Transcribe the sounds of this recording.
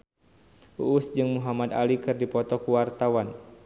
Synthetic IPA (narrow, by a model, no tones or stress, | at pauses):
ʔuʔːsd͡ʒɨŋmuɦamad̪a̰likɨrdipɔt̪ɔkuwart̪awan